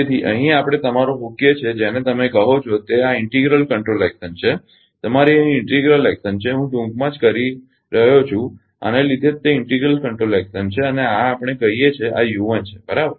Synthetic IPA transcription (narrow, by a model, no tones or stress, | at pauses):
et̪ʰiʔə̰ɦĩapəɽ̃et̪əmaɾomokjət͡ʃʰed͡ʒenet̪əmekəɦot͡ʃʰot̪eaɪɳʈiɡɾəlkəɳʈɾolɛksənt͡ʃʰe | t̪əmaɾiɪɳʈiɡɾəlɛksənt͡ʃʰeɦũʈũŋkmãd͡ʒkəɾi | ɾəɦjot͡ʃʰũ | a̰nelid̪ʱet̪ːeɪɳʈiɡɾəlkəɳʈɾolɛksənt͡ʃʰeəneaːpɽ̃ekəɦijet͡ʃʰeʔa̰juʋənt͡ʃʰe̥bəɾabəɾ